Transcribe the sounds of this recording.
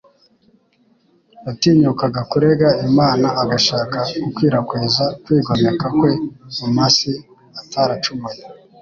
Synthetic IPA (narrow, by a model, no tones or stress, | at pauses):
watiːɲukaɡakuɾeɡaimaːnaːɡaʃaːkakukwiːɾakweːzakwiːɡwamekakwe̞mumasi | atʰaɾat͡ʃumaj